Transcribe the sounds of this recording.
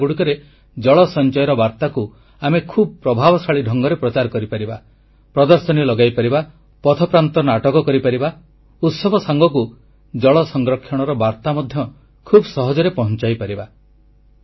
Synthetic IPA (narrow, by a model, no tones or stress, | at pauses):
ɡuɽikɔɾe | d͡ʒɔɭɔsɔnt͡ʃɔjɾɔbaɾt̪aku | amekʰubɔpɾɔbʱabɔsaɭiɖʱɔŋɡɔɾepɾɔt͡ʃaɾkɔɾipaɾiba | pɾɔd̪ɔɾsɔnilɔɡajpaɾiba | pɔt̪ʰɔpɾant̪ɔnaʈɔkɔkɔɾipaɾiba | ut̪sɔbʱɔsaŋɡɔku | d͡ʒɔɭɔsɔŋɡɾɔkʰːjɔɽ̃ɔɾɔbaɾt̪amɔd̪ʱjɔ | kʰubsɔɦɔd͡ʒɔɾepɔɦɔnt͡ʃajpaɾiba